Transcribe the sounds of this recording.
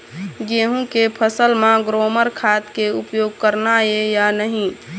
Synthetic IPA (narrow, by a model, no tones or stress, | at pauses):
ɡeɦũkepʰəsəlmãɡɾoməɾkʰat̪keupjoːɡ̚kəɾnaejanəɦĩ